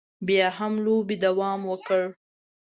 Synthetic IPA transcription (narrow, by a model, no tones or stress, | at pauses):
bjɑɦamlobid̪awɑmwəkəɽ